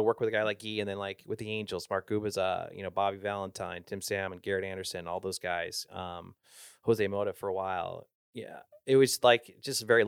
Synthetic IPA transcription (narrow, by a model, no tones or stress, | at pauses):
əwɜ˞kwɨðɨɡaɪlaɪk̚ɡ̥iɨ̃nðɨ̃nlaɪkwɨðiẽɪ̃nd͡ʒl̩ˠz̥mɑɹk̚ɡ̥ʉbɨzʌ̰jʔɨ̰ñoʊbɑbivælˠə̃ntʰãɪ̃ntʰɪ̃msæ̃mə̃nɡɛɹɨɾæ̃ndə˞sɨ̃nɨ̃nɔlˠðoʊzɡaɪz̥ʌ̰̃m | huʌzɨmoʊɾɨv̥fə˞əwaɪlˠ | jæ̰ | ɪt̚wʌz̥laɪkd̥ʒ̥ʌstvɛɹi